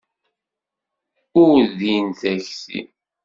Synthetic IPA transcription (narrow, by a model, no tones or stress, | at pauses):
ʊɾðinθæçsḭ